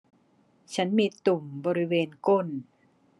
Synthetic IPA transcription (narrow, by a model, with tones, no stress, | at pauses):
t͡ɕʰa˦˥nmiː˧t̪u˨˩mbɔː˧ɾi˦˥weː˧nko˦˥˩n